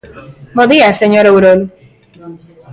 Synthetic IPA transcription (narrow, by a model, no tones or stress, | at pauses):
boðiaseɲoɾowɾol